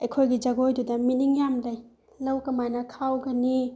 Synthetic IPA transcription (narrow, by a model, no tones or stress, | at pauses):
ɐjkʰojɡid͡ʒɐɡojdudɐminiŋjamlɐj | lɐwkɐmajnɐkʰawɡɐni